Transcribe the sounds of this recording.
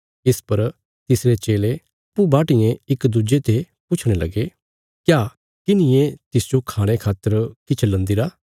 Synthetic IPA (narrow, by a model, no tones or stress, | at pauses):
ɪspɐɾ | t̪ɪsɾet͡ʃeːle | ɐpːubaːʈɪjẽɪkd̪ud͡ʒet̪ʰe | pʊt͡ʃʰɽ̃elɐ̰ɡe | kjaː | kɪnɪjẽt̪ɪsd͡ʒokʰaːɽ̃ekʰaːt̪ːəɾkɪt͡ʃʰlɐ̃nd̪iɾaː